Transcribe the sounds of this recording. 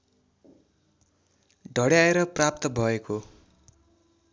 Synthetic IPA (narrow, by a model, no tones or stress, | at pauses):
ɖʱʌɽjaeɾʌprap̚t̪ʌbʱʌeko